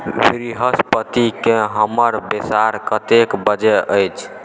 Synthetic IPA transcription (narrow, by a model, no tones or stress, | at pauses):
bɾiɦəspət̪ikeɦəməɾbesaɾkət̪ekbəd͡ʒeʔəjt͡ʃʰ